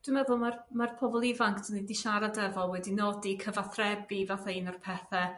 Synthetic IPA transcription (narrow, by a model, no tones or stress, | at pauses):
d̥wɪmɛðʊlˠmarmarpʰɔvɔlˠɪvaŋkʰtʰənidiʃaɾadəvɔlˠwɛdinɔdikʰəvaθrɛbivaθainɔrpʰɛθɛ